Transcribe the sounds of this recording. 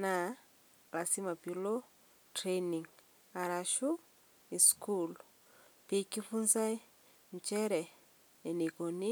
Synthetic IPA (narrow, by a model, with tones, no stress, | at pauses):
na˨ | la˨si˦ma˨pilo | tɾeni˨ŋ | a˨ɾa˨ʃu˦ | i˨skulu | pe˨ki˦funza˦i˦ | ɲt͡ʃe˦ɾeː˨ | ni˨ko˨ni˦